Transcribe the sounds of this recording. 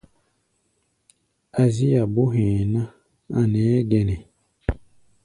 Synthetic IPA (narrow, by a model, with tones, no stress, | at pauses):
a˨zi˦ja˨bo˦ɦɛ̃˨na˦ | a˨nɛː˨˦dɛ˦nɛ˨